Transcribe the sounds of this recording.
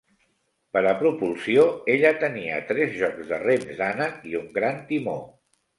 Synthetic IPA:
pəɾəpɾupulˠsioeʎət̪əniə̰t̪ɾɛzʒɔkzðəremzd̪anəkiuŋɡɾant̪imo

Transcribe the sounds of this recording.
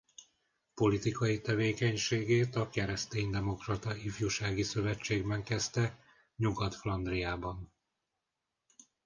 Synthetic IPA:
po̞lit̪ikɒjit̪ɛveːkɛɲʃeːɡeːt̪ɒkɛɾɛst̪eːɲd̪ɛmo̞krɒt̪ɒifjuʃaːɡisø̞vɛt͡ʃːeːɡbɛŋkɛst̪ɛ | ɲuɡɒt̪flɒnd̪rijaːbɒn

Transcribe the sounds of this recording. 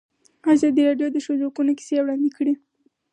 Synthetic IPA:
azɑd̪iɾɑɖjod̪əʃozokunoki̥sewɽɑnd̪ikəɽi

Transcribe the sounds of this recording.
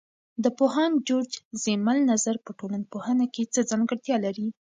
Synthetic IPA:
d̪əpoɦɑnd͡ʒoɾd͡ʒzemalnazaɾpəʈolanpohənaket͡səzɑŋɡəɽt̪jɑlaɾi

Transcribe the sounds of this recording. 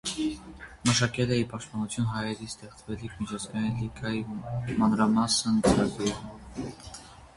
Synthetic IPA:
məʃɑkɛləipɑʃt̪pɑnut͡sʰjunɦɑjɛɾist̪ɛχt͡svɛlikʰmit͡ʃʰɑt͡sɡɑjinliɡʰɑjimɑnɾɑmɑsənt͡səɾɑɡɾɛʁə

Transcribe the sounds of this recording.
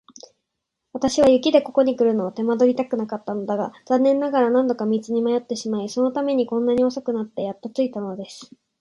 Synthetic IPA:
βat̪aɕiβajɯ̟kʲid̪e̞ko̞ko̞ɲ̟ikɯ̟ɾɯ̟no̞ːt̪e̞mad̪o̞ɾʲit̪akɯ̟nakat̪ːano̞d̪aɡaz̥ãnːẽ̞nːaɡaɾanãnd̪o̞kamʲit͡sɨɲ̟imajo̞t̪ːe̞ɕimaiso̞no̞t̪ame̞ɲ̟ikõ̞nːaɲ̟io̞sokɯ̟nat̪ːe̞jat̪ːat͡sɨit̪ano̞d̪e̞sɨ̥

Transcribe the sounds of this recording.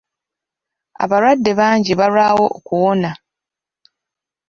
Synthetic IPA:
a̰βaɾwadːe̞βaːɲɟiβalwaːwo̞ʔokuwo̞na

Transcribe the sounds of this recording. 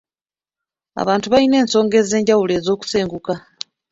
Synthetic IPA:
a̰βaːntuβaine̞ːnso̞ːŋɡe̞ze̞ːɲɟawule̞ːzo̞ːku̥se̞ːŋɡuka

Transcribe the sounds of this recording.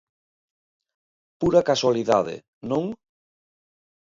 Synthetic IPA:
puɾakaswaliðaðɪ̰ | nõŋ

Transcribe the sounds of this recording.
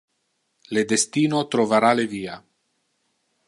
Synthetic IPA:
led̪est̪iːnot̪ɾovaɾaleviːa

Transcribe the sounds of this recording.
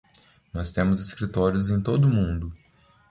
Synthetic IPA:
nɔst̪ẽmʊzeskɾit̪ɔɾjʊzẽj̃t̪od̪ʊmũnd̪ʊ

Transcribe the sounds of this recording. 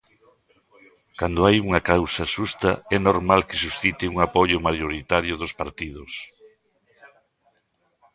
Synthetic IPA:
kand̪oajuŋɐkawsɐʃust̪ɐɛnoɾmalkɪ̥susθit̪ɪuŋapoʎʊmaʎoɾit̪aɾjʊðʊspaɾt̪iðʊs

